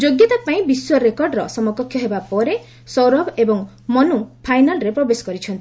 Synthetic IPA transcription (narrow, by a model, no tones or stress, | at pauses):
d͡ʒoɡjɔt̪apaĩbiswɔɾekɔɾɖɾɔsɔmɔkɔkʰːjɔɦebapɔɾe | sɔwɾɔbebɔŋ | mɔnupʰajnalɾepɾɔbesɔ̥kɔɾit͡ʃʰɔnt̪i